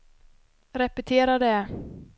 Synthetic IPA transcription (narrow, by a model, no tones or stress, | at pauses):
ɾɛpɛt̪ʰeːɾad̪ɛ